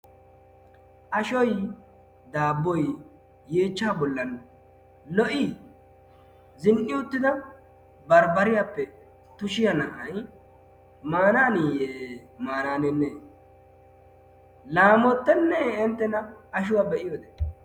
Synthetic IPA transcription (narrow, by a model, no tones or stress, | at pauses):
ʔɐʃɔj | d̪aːbːɔj | jeːt͡ʃːaːbɔlːɐn | lɔʔɪ | zɪnʔɪʊt̪ːɪd̪ɐ | bɐɾbɐɾɪjapːɛ | t̪ʊʃɪjɐnɐʔɐj | maːnaːnijeːmaːnaːnɛnːeː | laːmɔt̪ːɛnːeɪnt̪ːɛnɐːʃ̬ʊwaːbɛʔɪjod̪ɛ